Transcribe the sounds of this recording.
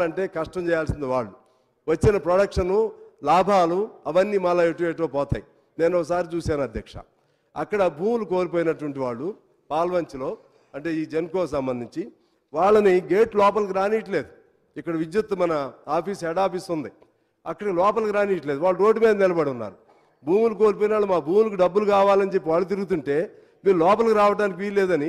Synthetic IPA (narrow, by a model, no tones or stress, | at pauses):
ɐɳʈe̞ːkɐʂʈɐmd͡ʒɛːjaːlsind̪iʋaːɭːu | ʋɐt͡ʃːinɐpɾoɽɐkʂɐnulaːbʱaːluɐʋɐnːiːmɐlaːeʈuʋeːʈ̬loːpɔːt̪a̰ːji | ne̞ːnɔkːɐs̬aːɾit͡ʃuːsaːnuɐd̪ʱjɐkʂɐ̰ | ɐ̰kːɐɽɐbʱuːmuluko̞ːɾip̬oːjinɐʈuʋɐɳʈiʋaːɭːu | paːlʋɐɲt͡ʃilo̞ː | ɐɳʈe̞ːiːd͡ʒenkoːks̬ɐmbɐnd̪ʱiɲt͡ʃi | ʋaːɭːɐniɡe̞ːʈlɔːpɐlk̬iɾaːniːʈ̬ɐle̞ːd̪u | ikːɐɽɐʋid͡ʒ̪jɐt̪ːɐmɐnɐaːpʰiːsɛːɽaːpisund̪i | ɐkːɐɽɐkilɔːpɐlkiɾaːniːʈle̞ːd̪uʋaːɭːuɾo̞ːɖimiːd̪ɐnɛlɐbɐɽiunːa̰ːɾu | bʱuːmulukoːɾip̬oːjinaːɭːumaːbʱuːmulɐk̬iɖɐbːulukaːʋaːlɐnit͡ʃe̞pːiʋaːɭːut̪iɾuɡut̪̬uɳʈe̞ː | miːɾulɔːpɐlkiɾaːʋɐʈaːnik̬iʋiːɾle̞ːd̪ɐni